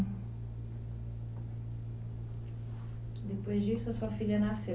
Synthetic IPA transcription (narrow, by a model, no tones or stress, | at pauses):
d̪epojzd͡ʒisʊɐsuɐfiʎɐnase